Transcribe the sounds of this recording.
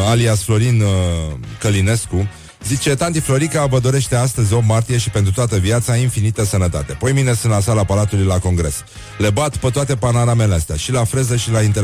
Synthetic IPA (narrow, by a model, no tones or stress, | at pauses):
aliasflo̞ɾin | kəline̞sku | zit͡ʃe̞t̪ant̪̬iflo̞ɾikabəd̪o̞ɾe̞ʃt̪e̞ast̪əzʲo̞b̚mart̪ije̞ʃipent̪ɾut̪oat̪əviat̪sainfinit̪əsənət̪a̰t̪e̞pojmine̞sɨnlasalapalat̪ulujlako̞ŋɡɾe̞s | le̞bat̪pət̪oat̪e̞panoɾameleast̪ea̰ʃilafɾe̞zəʃilaint̪e